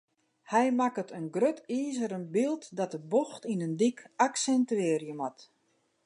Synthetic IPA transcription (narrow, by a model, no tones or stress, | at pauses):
hɛjmakətənɡrøtiːzəɾənbilˠtdɔt̚əboxtinəndikaksɛntyɪːrjəmat